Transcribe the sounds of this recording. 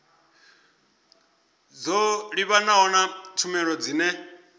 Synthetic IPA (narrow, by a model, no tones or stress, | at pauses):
d͡zɔɺiβanaɔnatʰumɛɺɔd͡ziːnɛ